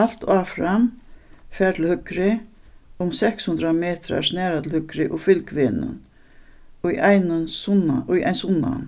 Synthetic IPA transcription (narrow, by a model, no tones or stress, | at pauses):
al̥t̪ʰaːfɾamfɛːɾt̪ʰɪlhʏkɾɪ | ʊmsɛkshʉnt̪ɾameːt̪ɾa̰ɹsnɛːɾat̪ʰɪlhʏkɾɪʔʊfɪlkʋɪnʏ̰n | ʊjajnnsnʊja̰jnsʊnːa̰n